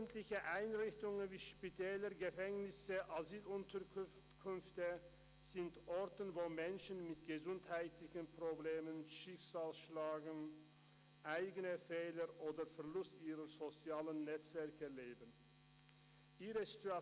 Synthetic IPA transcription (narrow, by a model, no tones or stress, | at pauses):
ntlɪçəʔaɪnʁɪçtʊŋənviːʃpitʰɛːləɡəfɛŋnɪsəʔazyːlʊntʰək | kʰʏnftə | z̥ɪntʔɔʁtənvoːmɛnʃənmɪtɡ̥əzʊnthaɪtlɪçənpʁ̥obleːmənʃɪkz̥aːlsʃlaːɡn̩ | ʔaɪɡənəfeːləʔoːdɐfɛɐʁlʊstʔiːʁəzot͡sjaːlənːɛt͡sv̥ɛɐkəleːbən | ʔiːʁəzitua